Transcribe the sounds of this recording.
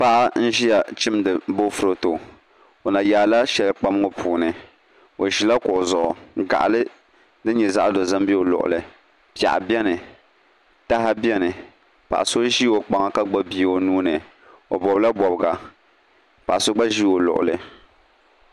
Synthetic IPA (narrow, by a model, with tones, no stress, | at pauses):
pa˦ʔa˦n̩˦ʒi˦ja˨t͡ʃɪ˦mdɨ˨bo˦fʊ˦ɾo˦to˨ | o˨na˨jaː˨la˦ʃɛ˨lk͡pa˦m˦ŋo˦pʰuː˨nɨ˨ | o˨ʒi˨la˦kʊ˨ʔo˨zʊ˨ʔʊ˨˦ɡa̰˨ʔa̰˨lɨ˦ | dɨ˦ɲɛ˨za˦ʔa˦do˨za˦mbi˦o˨lʊ̰˨ʔʊ̰˨lɨ˨ | pi˨a̰˨ʔa̰˨bi˦ɛ˦nɨ˨ | ta˦ɦa˦bi˦ɛ˦nɨ˨ | pa̰˨ʔa˨so˦ʒi˦o˨k͡pa˨ŋa˨ka˦ɡ͡ba˦bi˦o˨nuː˦nɨ˨ | o̰˨bɔ˨bla˦bɔ˨bɨ˨ɡa˨ | pa˨ʔa˨so˦ɡ͡ba˦ʒi˦o˨lʊ̰˨ʔʊ̰˨lɨ˨